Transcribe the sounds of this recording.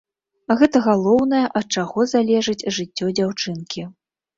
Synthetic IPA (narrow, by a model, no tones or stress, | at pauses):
ɣɛt̪ɐɣalˠɔwnɐjɛʔɐt̪̚t͡ʂaɣɔzalʲɛʐɨt͡sʲʐɨt͡sʲːɔd͡zʲawt͡ʂɨnkʲi